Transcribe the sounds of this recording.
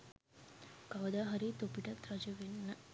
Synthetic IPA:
kaʋəd̪aːɦɐɾit̪opiʈɐt̪ɾɐd͡ʒəʋenːə

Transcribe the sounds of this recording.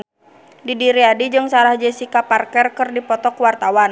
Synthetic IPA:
didiɾiadid͡ʒɨŋsalahd͡ʒɛsikaparkɛrkərdipɔt̪ɔkwart̪awan

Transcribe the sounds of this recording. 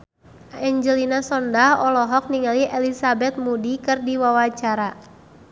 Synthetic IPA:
ɛɲd͡ʒəlinasɔndahɔlɔɦɔk̚niŋaliʔɛlisabɛt̪̚mudikɨrdiwawat͡ʃaɾa

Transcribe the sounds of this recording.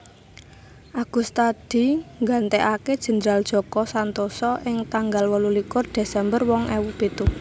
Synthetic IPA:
ʔaɡ̥ṳst̪ad̪̥i̤ŋɡant̪eʔaked̥ʒ̥ə̤nd̪ɾald̥ʒ̥ɔ̤kɔsant̪osɔʔɪŋt̪aŋɡalwəlulikʊrd̪̥e̤sɛmbərwɔŋʔɛwupet̪u

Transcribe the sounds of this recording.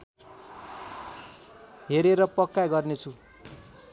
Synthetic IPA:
ɦeɾeɾʌpʌkːajɡʌrnet͡sʰu

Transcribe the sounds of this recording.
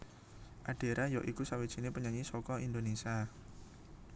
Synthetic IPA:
ʔaɖ̥e̤ɾʔajɔʔikusawid̥ʒ̥i̤nepəɲaɲisɔkɔind̪onesia

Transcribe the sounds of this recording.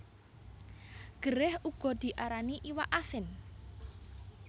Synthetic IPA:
ɡ̥ə̤ɾɪhuɡ̥ɔ̤d̪̥i̤ʔaɾaniʔiwaʔasɪn

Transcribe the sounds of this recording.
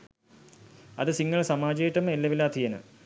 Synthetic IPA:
ɐðɨsiŋːɐɭsɐmaːd͡ʑɐjʈːɐmelːɐʋilaːt̪ʰijɐnɨ̰

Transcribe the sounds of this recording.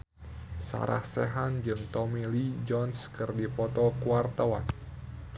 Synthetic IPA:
sa̰ɾa̰hsɛɦand͡ʒɨŋt̪ɔmilid͡ʒɔnskɨrdipɔt̪ɔkuart̪awa̰n

